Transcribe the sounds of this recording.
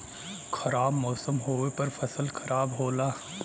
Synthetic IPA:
kʰɐɾaːbmɔːsəmɦoːepɐɾfɐsəlkʰɐɾaːbɦoːlaː

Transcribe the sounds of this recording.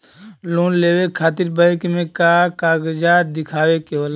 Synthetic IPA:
lõːnleːwekʰaːt̪ɪɾbəjkmẽkakaːɡd͡ʒaːd̪ɪkʰaːwekeol

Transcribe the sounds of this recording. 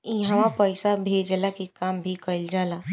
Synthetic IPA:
ɪɦãʋãpəɪsabʱeːd͡ʒlakikaːmbʱikəɪld͡ʒaːlaː

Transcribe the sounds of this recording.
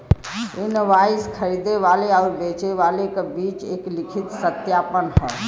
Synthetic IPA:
inʋaiskʰəɾid̪eʋaleauɾbet͡ʃeʋalekebit͡ʃḛklikʰit̪sət̪japənhə̰

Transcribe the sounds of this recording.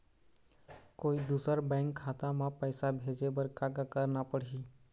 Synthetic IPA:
koːid̪uːsəɾbɛ̃ŋkʰːaːt̪ãmãpəɪsabʱeːd͡ʒebəɾkaːɡakəɾnapəɽ̤iː

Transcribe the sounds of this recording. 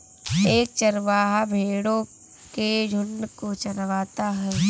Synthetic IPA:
eːkt͡ʃɐɾʋaːɦabʱeːɽõ | ked͡ʒʱʊnːkot͡ʃɐɾʋaːt̪aɦɛː

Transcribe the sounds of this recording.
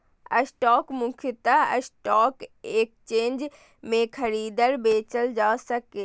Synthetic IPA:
əsʈɔːkmʊkʰjət̪aə̰sʈɔːkeːk̚t͡ʃeːnd͡ʒ | mẽkʰəɾiːd̪əɾbeːt͡ʃəld͡ʒaːsəkeː

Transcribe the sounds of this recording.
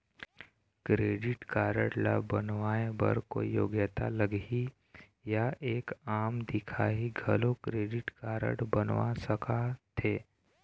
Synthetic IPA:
kɾeːɖɪʈkaːɾəɽla̰bənʋaːebɐ̰ɾko̰jo̰ːɡjət̪aləɡi | jaʔeːkaːmd̪ɪkʰaːɦiɡʱəlokɾeːɖɪʈkaːɾə̰ɽbənʋa̰səkʰat̪ʰeː

